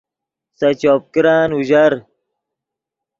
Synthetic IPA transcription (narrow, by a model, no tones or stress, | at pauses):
sɐt͡ɕoːp̚kɾaːnuʑɐɾ